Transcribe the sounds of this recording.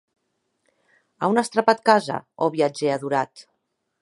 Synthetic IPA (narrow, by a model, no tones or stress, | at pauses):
a̰unəst̪ɾapat̪̚kaza̰oβiad͡ʒeaðuɾat̪